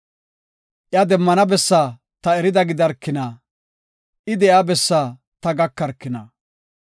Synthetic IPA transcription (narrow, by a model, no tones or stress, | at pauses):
ʔjad̪ɛmːɐnɐbɛsːaː | t̪ɐɛɾɪd̪ɐɡɪd̪ɐɾkːɪnaː | ʔɪd̪ɛjabɛsːaː | t̪ɐɡɐkːɐɾkːɪnɐː